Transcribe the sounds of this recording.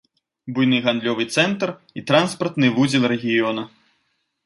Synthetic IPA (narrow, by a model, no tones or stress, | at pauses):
bujnɨɣand̪lʲɔvɨt̪sɛnt̪r | it̪ɾanspɐrt̪nɨvud͡zʲɛlˠrɛɣʲijɔnɐ